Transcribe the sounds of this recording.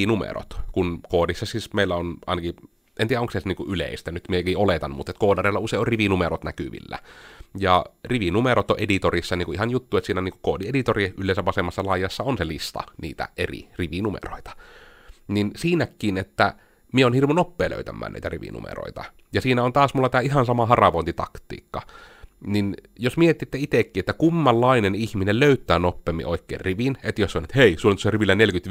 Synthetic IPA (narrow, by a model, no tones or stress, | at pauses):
numḛro̰t̪kunkoːdisːɑsiːsmeilːæonɑ̰ˑinɑki | ent̪iːæoŋksestniːŋkuʔylḛˑist̪ænyt̪miekiolet̪ɑnːmṵt̪ːet̪koːdɑreˑlːɑuseˑioriʋinumerot̪nækyʋḭlːæ̰jɑriʋinumeɾot̪oʔʔedit̪orisːɑniːŋkuʔihɑnjut̪ːuːet̪siːnæniːŋkukoːdiedit̪oriylːˑeˑisæʋʋɑsemːɑsːɑlɑˑijˑɑsːɑonselist̪ɑ̰nḭːt̪æ̰ʔerḭriʋinumḛro̰it̪ɑ̥ | ninsiːnækːˑiːnet̪ːæ | mieoːnhirʋonopːeːlø̰ˑyt̪æ̰mːæ̰ːnʔḭːt̪æ̰rḭʋḭnṵmḛro̰it̪ɑ̰ | jɑsiːnæont̪ɑːsmulːɑt̪æːihɑnsɑmɑhɑrɑʋoˑint̪it̪ɑ̰kt̪ˑḭːkːɑninjosmiet̪ːit̪ːeit̪ekːiːet̪ːækumːɑlːɑinenihminelløyt̪ˑæːnopːeːmːḭʔoˑikːḛːrriʋinet̪josseonet̪heˑisulːont̪oseriʋilːænelkyt̪